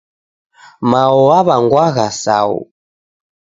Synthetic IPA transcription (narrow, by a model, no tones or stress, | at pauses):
maɔaβaŋɡwaɣasa̰ṵ